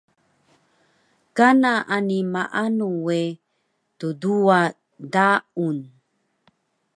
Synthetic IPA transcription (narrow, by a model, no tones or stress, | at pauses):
kanaʔanimaʔanuwe | tudua | daun